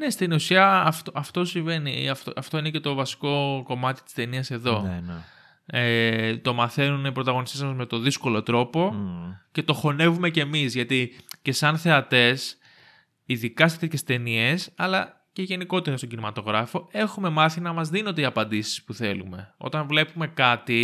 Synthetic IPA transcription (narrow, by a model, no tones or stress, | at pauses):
ne̞st̪inusiɐːft̪oɐft̪o̞siɱve̞niɐft̪oɐft̪o̞inece̞t̪o̞vɐsi̥ko̞ko̞mɐt̪i̥t̪i̥st̪e̞niɐse̞ðo̞ | et̪o̞mɐθe̞nunipɾo̞t̪ɐɣo̞nist̪ezmɐzme̞t̪o̞ðisko̞lo̞t̪ɾo̞po̞ce̞t̪o̞xo̞ne̞vume̞ce̞mizʝɐt̪ice̞sɐnθe̞ɐt̪e̞s | iðikɐset̪eçe̞st̪e̞nie̞sɐlɐ | ce̞ʝe̞niko̞t̪e̞ɾɐst̪oɟinimɐt̪o̞ɣɾɐfo̞e̞xume̞mɐθinɐmɐzðinod̪eiɐpɐnd̪isi̥spuθe̞lṵme̞o̞̰t̪ɐnvle̞pume̞kɐt̪i